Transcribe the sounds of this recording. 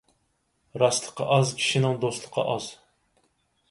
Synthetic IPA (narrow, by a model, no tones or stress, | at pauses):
ɾɑslˠəqʰːɑ̰ʔɑzkʲʰi̥ʃinɪŋd̪ost̪lˠə̥qʰːɑ̰ʔɑz̥